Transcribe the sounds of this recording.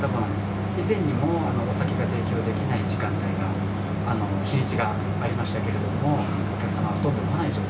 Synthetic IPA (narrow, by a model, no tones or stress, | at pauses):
t̪abɯ̟̃ŋ | izẽ̞ɲ̟ːimo̞anoːsakʲeɡat̪e̞ːkʲo̞ːd̪e̞kʲinaiʑikãnt̪aiɡaː | no̞çiɾʲit͡ɕiɡaː | ɾʲimaɕi̥t̪ake̞ɾe̞d̪o̞mo̞ | okʲakɯ̟samaβahot̪o̞nokonaiɕoː